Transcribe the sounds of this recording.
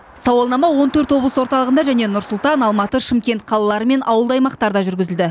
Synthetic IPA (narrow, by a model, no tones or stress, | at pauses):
sɑwɑlˠnɑmɑwo̞nt̪ʰɵɾt̪wo̞blˠəsəwoɾt̪ɑlˠəʁənd̪ɑʒæne̞nʊɾsʊlˠt̪ɑnɑlˠmɑt̪əʃɪmkʲe̞nt̪qʰɑlˠɑlˠɑɾəme̞nʔɑwəlˠd̪ɑjmɑqt̪ɑɾd̪ɑʒʏɾɡʲɪzɪld̪ɪ